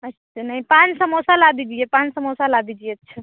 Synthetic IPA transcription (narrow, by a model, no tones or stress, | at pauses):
ətːʰənaɦipansəmosalabid͡ʒijepãnsəmosalabid͡ʒijet̪ːt͡ʃʰə